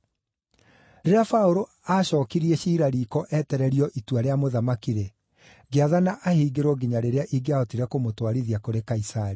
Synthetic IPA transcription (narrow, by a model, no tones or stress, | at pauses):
ɾeɾafaoɾo | aɕɔːkiɾiɛɕiːɾaɾiːkɔʔɛtɛɾɛɾiɔʔitwaɾeamoðamakiɾe | ɡeaðanaʔahiːɡeɾwɔɡiɲaɾeɾeaʔiɡeaɔtiɾɛkomotwaɾiðiakoɾekaisaɾi